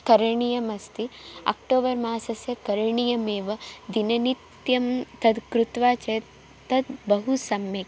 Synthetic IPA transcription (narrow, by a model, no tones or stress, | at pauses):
kɐɾɐɳijɐmɐst̪ia̰k̚ʈoːbɐɾmaːsɐsjɐkɐɾɐɳijɐmeːʋɐd̪inɐnit̪jɐmt̪ɐd̪kɾut̪ʋaːt͡ʃɐj | t̪ɐd̪bɐɦusɐmjɐk